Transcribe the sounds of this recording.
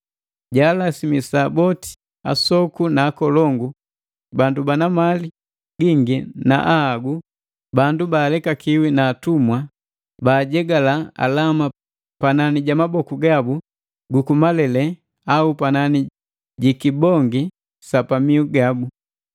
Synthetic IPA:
ɟaːlasimisaːbɔti̥ | a̰sɔkunaːkɔlɔŋɡu | bandubanamali | ɡiŋɡina̰ʔahaɡu | bandubaːlɛkakiwinaːtumwa | baːɟɛɡalaa̰lama | pananiɟamabɔkuɡabu | ɡukumalɛlɛ | aupanani | ɟikibɔŋɡi | sapamiuɡabu

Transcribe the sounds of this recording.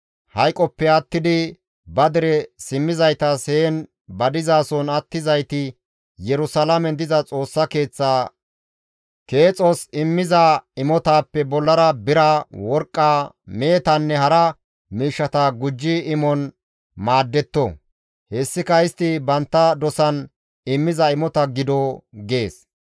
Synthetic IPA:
hɐjkʼɔpːɛɐt̪ːɪd̪ɪ | bɐd̪ɪɾɛsɪmːɪzɐjt̪ɐseːn | bɐd̪ɪzaːsɔnɐt̪ːɪzɐjt̪ɪ | jɛɾʊsɐlɐmɛnd̪ɪzɐt͡sʼo̞ːsːɐke̞ːt͡sːaː | ke̞ːt͡sʼɔsɪmːɪzaɪmɔt̪aːpːɛbɔlːɐɾɐbɪɾɐawɔɾkʼːaː | me̞ːt̪ɐnːɛɦɐɾɐ | miːʃːɐt̪ɐɡʊd͡ʒːɪːmɔn | maːd̪ːɛt̪ːɔ | hɛsːɪkɐɪst̪ɪbɐnt̪ːɐd̪ɔsɐn | ɪmːɪzɐɪmɔt̪ɐɡɪd̪ɔɡe̞ːs

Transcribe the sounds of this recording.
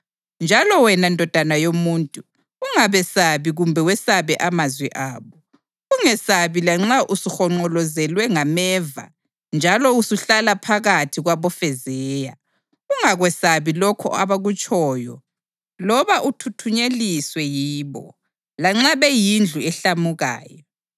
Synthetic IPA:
nd͡ʒʱalɔwɛnandʱɔd̥ʱanajomuːntʼuː | ŋaβɛsaβiɣumbʱɛwɛsaβɛʔamazwɛʔaːβɔ | uŋɛsaβilaŋ͡ǁaʔusuxɔŋ͡ǃɔlɔzɛlwɛŋamɛva̰ | nd͡ʒʱalɔusuɬalapʰaɣatʰiɣwaβɔfɛzɛːja | uŋaɣwɛsaβilɔkʰɔ̰a̰βaɣut͡ʃʼɔːjɔ̰ | lɔβaʔutʰutʰuɲeliswɛjiːβɔ̰ | laŋ͡ǁaβɛjind͡ɮʱuɛɬamuɣa̰ːjɔ

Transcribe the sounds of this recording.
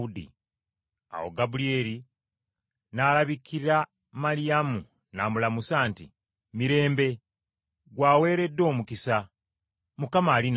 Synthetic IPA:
udḭ | a̰wo̞̰ɡabulie̞ɾi | nalaβikːiɾa | malijamu | naːmulamusaːnti | miɾe̞ːmbe̞ | ɡwaːwe̞ːɾe̞dːo̞ːmukisa | mukamaːlin

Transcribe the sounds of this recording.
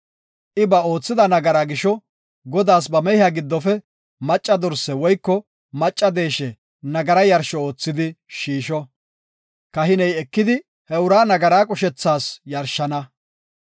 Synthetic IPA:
ʔɪbɐo̞ːt͡sːɪd̪ɐnɐɡɐɾaɡɪʃɔ | ɡɔd̪aːs̬bɐmɛhɪaɡɪd̪ːɔfɛ | mɐt͡ʃʼːɐd̪ɔɾsɛwɔjkːɔ | mɐt͡ʃʼːɐd̪e̞ːʃɛ | nɐɡɐɾɐjɐɾʃɔo̞ːt͡sːɪd̪ɪʃiːʃɔ | kɐɦɪnɛjɛkːɪd̪ɪ | hɛʊɾaːnɐɡɐɾaːkʼʊʃɛt͡sːaːsjɐɾʃːɐnɐ

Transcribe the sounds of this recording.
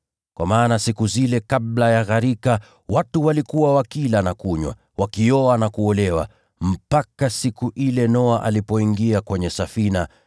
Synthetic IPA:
kwamaːnasikuzilɛkablajaɣaɾika | watuwalikuwawakilanakuɲwa̰ | wakiɔanakuɔlɛwa̰ | m̩pakasikuʔilɛnɔaʔalipɔiŋɡiakwɛɲɛsafina

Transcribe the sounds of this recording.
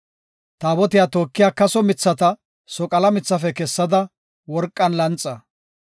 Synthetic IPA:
t̪aːbɔt̪ɪjaːt̪oːkːɪjaːkɐsɔmɪt͡sːɐt̪ɐ | sɔkʼɐlɐmɪt͡sːɐfɛkɛsːɐd̪ɐ | wɔɾkʼːɐnlɐnt͡sʼːɐ

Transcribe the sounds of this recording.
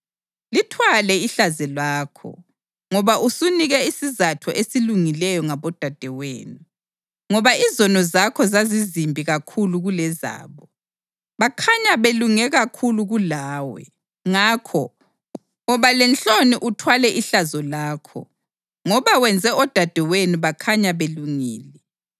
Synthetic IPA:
litʰwalɛiɬazɛlwaːkʰɔ̰ | ŋɔβausuniɣɛisizatʰɔʔesiluŋilɛjɔŋaβɔd̥ʱad̥ʱɛwḛːnu | ŋɔβaizɔnɔzakʰɔzazizimbʱiɣakʰuluɣulɛza̰ːβɔ | βakʰaɲaβeluŋɛɣakʰuluɣulaːwɛ̰ | ŋakʰɔ | ɔβalɛnt͡ɬoniʔutʰwalɛʔiɬazɔlaːkʰɔ̰ | ŋɔβawɛnd͡zʱɛɔd̥ʱad̥ʱɛwenuβakʰaɲaβeluŋḭːlɛ

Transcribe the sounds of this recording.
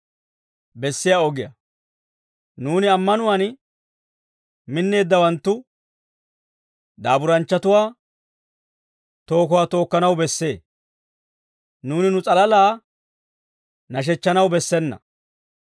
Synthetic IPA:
bɛsːɪjaɔɡɪjɐ̰ | nuːnɪɐmːɐnʊwan | mɪnːe̞ːd̪ːɐwɐnt̪ːʊ | d̪aːbʊɾɐnt͡ʃːɐt̪ʊwaː | t̪o̞ːkʊwaːt̪o̞ːkːɐnɐwbɛsːe̞ː | nuːnɪnʊt͡sʼɐlɐlaː | nɐʃ̬ɛt͡ʃːɐnɐwbɛsːɛnːɐ̰

